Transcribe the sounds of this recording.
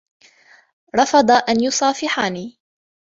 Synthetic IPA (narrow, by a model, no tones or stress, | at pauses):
ɾˤɑfɑd̪ˤɑʔanjʊsˤɑːfɪħaːniː